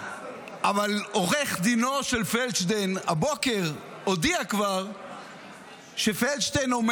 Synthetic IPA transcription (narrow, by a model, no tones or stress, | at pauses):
ʔavalo̞ʁeχd̪ino̞ʃelfelt͡ʃdenabo̞ke̞ʁ | odiakvaʁ | ʃefelt͡ʃdenom